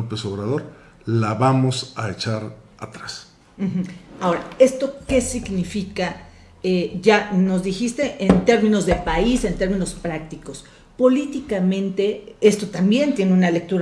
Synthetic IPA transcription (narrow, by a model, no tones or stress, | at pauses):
opeso̞βɾað̞o̞ɾ | laβamo̞saet͡ʃaɾ | at̪ɾas | m̩x̩ao̞ɾae̞st̪o̞ke̞siɡnifika | eʝano̞zðixist̪e̞ʔent̪e̞ɾmĩno̞zðe̞paise̞nt̪e̞ɾmĩno̞spɾak̚t̪iko̞s | po̞lit̪ikamẽ̞nt̪e̞e̞st̪ot̪ambje̞nt̪je̞neunale̞k̚t̪uɾa